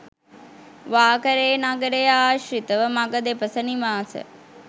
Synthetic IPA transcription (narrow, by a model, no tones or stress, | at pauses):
ʋaːkəɾeːnaɡəɾejaːʃɾit̪əʋəmaɡəd̪epəsəniʋaːsə̰